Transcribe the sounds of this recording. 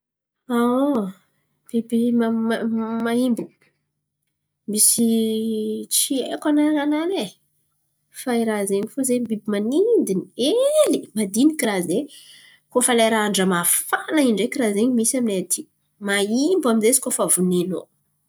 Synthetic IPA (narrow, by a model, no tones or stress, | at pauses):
ao | b̥ebimammaimbu | misi | t͡siḛkanananane | faiɾazeŋifozembibimanind̪inielimad̪inikiraze | kofalaɾaaɳɖ͡ʐəmafanaiɳɖ͡ʐekiɾazeɲmisaminet̪ʰi̥ | maimbaminzesi̥kofavuneno